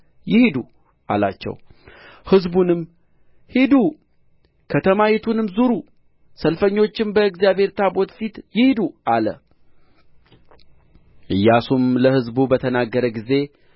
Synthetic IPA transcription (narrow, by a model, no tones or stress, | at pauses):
jɪhid̪u | ʔa̰la̰t͡ʃːɛ̰w | hɨzbunɨm | hid̪u | kʰət̪ʰəmajit̪ʰunɨmzuɾu | səlfəɲːo̞t͡ʃːɪmbəɨɡzjabhe̞ɾt̪ʰabo̞t̪fit̪jɪhid̪uʔalə̰ | ʔɨjːasumləhɨzbubət̪ʰənaɡːəɾəɡize̞